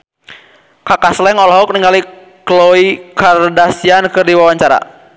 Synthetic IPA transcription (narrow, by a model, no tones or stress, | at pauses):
kakaslɛŋɔlɔɦɔk̚niŋɡali | klɔikardasiankɨrdiwawaɲt͡ʃaɾa̰